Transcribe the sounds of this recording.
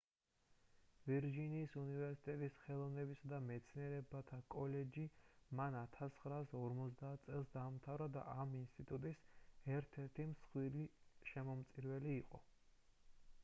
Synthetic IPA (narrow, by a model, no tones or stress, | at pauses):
viɾd͡ʒiniːsunivɛɾsit̪ʼɛt̪ʼisχɛlˠɔvnɛbisad̪amɛt̪sʰniɛɾɛbat̪ʰakʼɔlɛd͡ʒimanat̪ʰasχɾaːsɔɾmɔt̪s̬ʰd̪aːt̪̚ʰt̪sʼɛlˠsd̪amt̪ʰavɾad̪a̰ʔaminst̪ʼit̪ʼut̪ʼisɛɾt̪ʰɛɾt̪ʰimsχwiliʃɛmɔmt̪sʼiɾvɛliːqʼɔ̰